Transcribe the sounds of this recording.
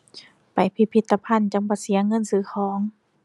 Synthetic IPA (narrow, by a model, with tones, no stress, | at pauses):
pa˨˩jpʰi˧pʰi˧t̪ːa˧pʰa˧˥˨nt͡ɕa˨˧˦mbɔː˧˩si˩˦ɐŋɤ˧˥˨nsɯː˨˧˦xʰɔː˨˩˦ŋ